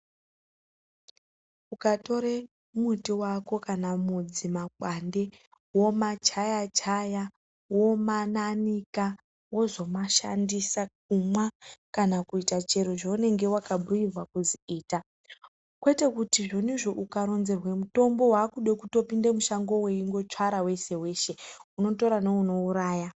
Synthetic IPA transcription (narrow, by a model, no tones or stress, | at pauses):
ukato̞ɾe | mutiwako̞kanamud͡zimakwande̞ | wo̞mat͡ʃajat͡ʃaja | wo̞mananika | wo̞zo̞maʃa̰ndisak̚umwakanakuitat͡ʃe̞roʐaune̞ŋɡe̞wakaɓujirwakuziiːta | kwe̞te̞kutiʐo̞niʐo̞ʔukaɾo̞nze̞rwemuto̞mbo̞waːkuɗekutopindemuʃaŋɡo̞weiŋɡo̞t͡ʂwaɾawe̞se̞we̞ːʃe̞uno̞to̞ɾanouno̞uɾaːja